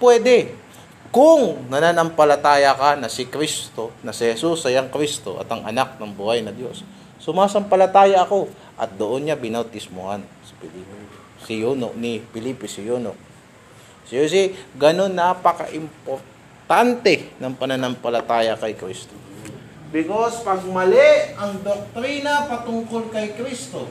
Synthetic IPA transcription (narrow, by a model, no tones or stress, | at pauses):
pwɛːd̪ɛ | kʊŋnɐnanɐmpɐlɐt̪aːjɐkanɐsɪkɾist̪o̞nɐsɪhɛsusɐjɐŋkɾist̪o̞̰ʔɐ̰t̪ɐŋʔɐ̰nak̚nɐŋbuːhɐjnɐd̪jo̞sː | ʊmaːsɐmpɐlɐt̪aːjɐɐko̞ | ʔɐt̪̚d̪oʔonɲabɪnɐwt̪ɪsmohansɐ̥pɪlip | sɪjunonɪpɪlipɪsɪjoːno̰k̚ | sɪjosiɡɐno̞nːapɐkɐ̰ʔɪmpoɾ | t̪ant̪ɛnɐŋpɐnɐnɐmpɐlɐt̪aːjɐkɐjkɾist̪o | bɪkospɐɡ̚mɐleɐŋd̪ok̚t̪ɾiːnɐpɐt̪ʊŋkolkɐjkɾist̪o